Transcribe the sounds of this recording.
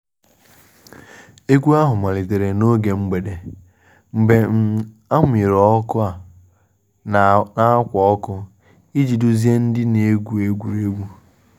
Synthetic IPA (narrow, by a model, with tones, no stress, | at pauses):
e˦ɡʷu˦a˦ɦʊ˨ma˨li˨te˨ɾe˨no˦ɡe˨ŋ͡m̩˦ɡ͡be˨de˨ | m̩˨be˨˦ | a˦m˦i˨ɾɔ˦kʊ˦a˨ | na˨a˦kʷɔ˨ɔ˦kʊ˦ | i˦d͡ʒi˨du˦zi˦e˦n̩˦dɪ˦ne˦ɡʷu˨˦e˦ɡʷu˨ɾe˦ɡʷu˦